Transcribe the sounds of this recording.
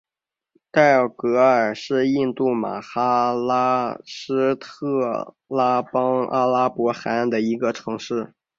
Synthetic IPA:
t̪a˥˩kɤ˧˥ə˞˨˩ʂɻ̩˥˧i˥˧nt̪u˥˩ma̰˨˩xa˥la˥ʂɻ̩˥t̪ʰɤ˥˩ | la˥pɑ˥ŋa̰˥la˥pwɔ˧˥xa˧˥nd̪ə˨i˧˥ɡə˧ʈ͡ʂʰɤ˧˥ŋʂɻ̩˥˩

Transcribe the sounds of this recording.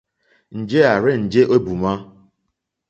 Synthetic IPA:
n̩˨d͡ʒe˦a˨ɾɪ˦n̩˨d͡ʒe˦ʔo˦bu˨ma˦

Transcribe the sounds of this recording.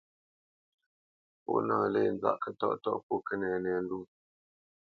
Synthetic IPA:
po̰˦ʔnaː˨le˦˨n̩˨˦za̰˦˨ʔkə˦tɔ̰˦ʔtɔ˦ʔpo˦kə˦nɛ˨nɛ˨n̩˦du˦˨

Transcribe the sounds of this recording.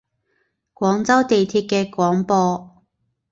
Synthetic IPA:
kʷwɔː˨˥ŋt͡sɐ˥wt̪e˨jt̪ʰiː˧t̚kɛː˧kʷɔː˨˥ŋpɔː˧

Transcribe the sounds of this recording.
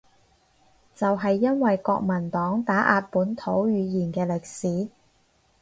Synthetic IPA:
t͡sɐ˨wɦɐ˨jːɐ˥nwɐ˨jkɔː˧k̚mɐ˨˩nt̪ɔː˨˥ŋt̪aː˨˥ʔaː˧t̚puː˨˥nt̪ʰo˨˥wjyː˨˧jiː˨˩nkɛː˧lɪ˨k̚siː˨˥

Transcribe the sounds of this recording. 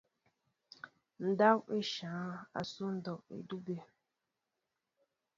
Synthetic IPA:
n̩˨da˦we˦ʃãː˨˦a̰˨su˦n̩˦dɔ˨wḛ˨du˦be˦

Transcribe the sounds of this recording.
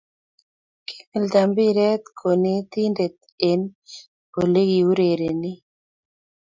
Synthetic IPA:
kʰi̥˦mɪ˨ld̪a˨mbi˦ɾɛ˦t̪kʰo˨ni˦t̪i˦nde˨t̪̚ | e˨n | po˨le˦ɡi˨u˦ɾe˨ɾe˨nɪ˦

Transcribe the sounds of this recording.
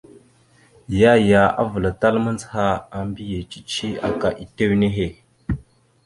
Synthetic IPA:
ja˦ja˨a̰˦və˨la˨ta˦lmə˦nd͡zha˦a˨mbi˦je˨t͡ʃi̥˦t͡ʃi˦a̰˨ka˨ʔi˨te˦wne˦ɦe˦˨

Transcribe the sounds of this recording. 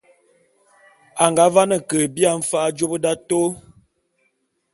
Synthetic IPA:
a˨ŋɡa˨˦va˦nə˨kə˨bi˦a˨m̩˦fa˦d͡ʒo˦bə˦da˦to˦

